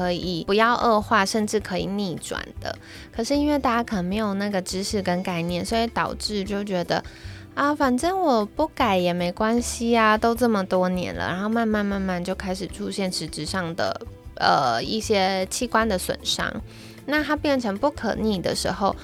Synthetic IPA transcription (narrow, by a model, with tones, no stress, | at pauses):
kʰɤ˧˥i˨˩pu˧˥jɑ˥˧ʊʔɤ˥˧xwa˥˧ʂə˥˧nʈ͡ʂɻ̩˥˩kʰɤ˧˥ḭ˨˩ni˥˩ʈ͡ʂwa̰˨˩nd̪̥ə̰˦ | kʰɤ˨˩ʂɻ̩˥˩i˥nwe˥ɪt̪a˥˧˩t͡ɕja˥kʰə˨˩nə˧˥ŋme˧ɪjo˨˩ʊna˥˩ɡə˩ʈ͡ʂɻ̩˥ʂɻ̩˥˩kə˦˥nka˥˩ɪnjɛ˥˩nswɔ˥˧i˥˩t̪ɑ˨˩ʊʈ͡ʂɻ̩˥˩t͡ɕjo˥˩ʊt͡ɕɥɛ˧˥d̪ə̰˧ | ə˧fa˨˩nʈ͡ʂə˥˩ŋwɔ˨˩pu˥˩ka˨˩ɪjɛ˨˩me˧˥ɪkwa˥nɕi˨a˨t̪o˥ʊʈ͡ʂɤ˥˩mə˩t̪wɔ˥njɛ̰˧˥nlə̰˩ɻa̰˧˥nxo˥˧ma˥˧nma˥˧nma˥˧nma˥˩˧nt͡ɕjo˥˩ʊkʰa˥ɪʂɻ̩˨˩ʈ͡ʂʰu˥ɕjɛ˥˩nʂɻ̩˧˥ʈ͡ʂɻ̩˧˥ʂɑ˥˩ŋd̪ə̰˩ʔə˨˩ḭ˥˩ɕjɛ˥t͡ɕʰi˥kwa˥nd̪ə˨swə̰˨˩nʂɑ̰˥ŋ | na˥˧t̪ʰa˥pjɛ˥˩nʈ͡ʂʰɤ˧˥ŋpu˥˩kʰɤ̰˨˩ni˥˩d̪ə̰˨ʂɻ̩˧˥xo˥˧ʊ